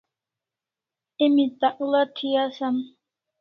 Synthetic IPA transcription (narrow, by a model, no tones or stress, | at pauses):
emit̪aʔulat̪ʰijasan